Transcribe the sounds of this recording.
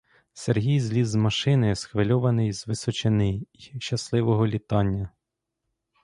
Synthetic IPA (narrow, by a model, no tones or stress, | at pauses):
serɦʲijzlʲizzmɐʃɪnɪsxʋɪlʲɔʋɐnɪjz̥ʋɪsɔt͡ʃɪnɪjʃt͡ʃɐslˠɪʋɔɦɔlʲit̪ɑnʲːɐ